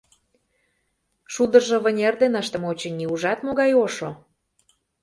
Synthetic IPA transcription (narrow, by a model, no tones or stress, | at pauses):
ʃud̪ə̆rʒə̆βənʲerd̪enəʃt̪ə̆mot͡ɕə̆nʲiuʒɑt̪moɣɑjoʃo